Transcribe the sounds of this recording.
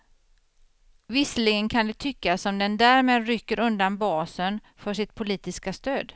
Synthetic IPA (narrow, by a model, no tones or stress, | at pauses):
vɪsəlɪɡənkʰand̪ɛt̪ʰʏkːasɔmd̪ɛnd̪æːɾmeːd̪ɾʏkːəɾɵnd̪anbɑːsən | fœʂɪt̪̚pʰʊliːt̪ɪskast̪øːd̪